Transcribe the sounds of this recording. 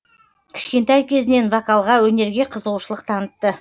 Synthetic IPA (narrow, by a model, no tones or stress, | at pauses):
kʲʰɪ̥ʃkʲe̞nt̪ɑjkʲʰe̞zɪne̞nvakalˠʁɑwɵne̞ɾɡʲe̞qʰəzəʁuʃəlˠəqt̪ʰɑnət̪t̪ːə